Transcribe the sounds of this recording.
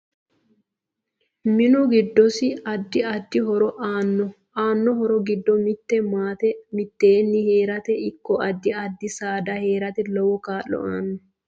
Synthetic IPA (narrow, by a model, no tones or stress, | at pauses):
mɪnʊɡɪd̪ːɔsɪɐd̪ːɪɐd̪ːɪɦɔɾɔʔaːnːɔ | aːnːɔɦɔɾɔɡɪd̪ːɔmɪt̪ːɛmaːt̪ɛmɪt̪ːeːnːɪhe̞ːɾɐt̪ɛɪkːɔɐd̪ːɪɐd̪ːɪsaːd̪ɐhe̞ːɾɐt̪ɛlɔwɔkaːlːɔ̰ʔaːnːɔ